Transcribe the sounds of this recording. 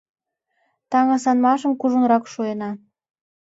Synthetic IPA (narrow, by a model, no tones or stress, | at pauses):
t̪ɑŋɑsɑnmɑʃə̆mkuʒunɾɑkʃuenɑ